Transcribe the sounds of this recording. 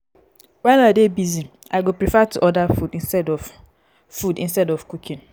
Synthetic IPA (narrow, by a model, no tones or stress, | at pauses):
wɛnadebizim | aɪɡopɾifatʰuʔɔdafudĩnstɛdɔf | fudḭ̃nstɛdɔfkukʰĩn